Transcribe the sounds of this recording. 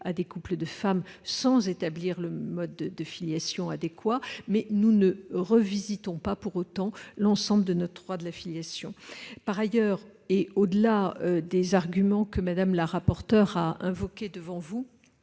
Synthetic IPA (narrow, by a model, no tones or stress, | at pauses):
ad̪ekupləd̪əfamsɑ̃zet̪abliʁləmɔd̪d̪əfiljasjɔ̃ad̪ekwamɛnunəʁəvizit̪ɔ̃papuʁot̪ɑ̃lɑ̃sɑ̃bləd̪ənɔt̪wad̪əlafiljasjɔ̃paʁajœːʁ | eod̪əlaød̪ezaʁɡʲymɑ̃kəmad̪amlaʁapɔʁt̪œʁaɛ̃vɔkʲed̪əvɑ̃vu